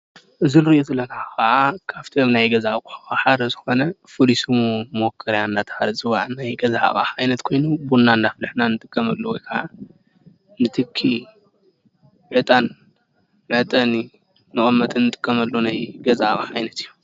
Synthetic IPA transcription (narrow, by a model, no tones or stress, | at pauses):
ʔɨzinɨɾʔozɨlːɐnaxɐʕakʰaft̪ʰiomnajɡɐzakʼuħaxaħad̪ɐzɨxo̞nɐfɨlisummokʰːɐɾjanːat̪ʰhalzʼɨwaʕnajɡɐza̰kʼa̰ajnɐt̪kʰo̞jnubunːand̪aflɨħnanɨt̪ʼɨkʼːɐmɐlːuwɔjkʰɐʕa | nɨt̪ʰɨkʰːi | ʕɨt̪ʼan | mɐt̪ʼɐni | nɨχʼɐmːɐt̪ʼɨnːɨt̪ʼɨ̥kʼːɐmɐlːunajɡɐzakʼaħajnɐt̪ɨjːu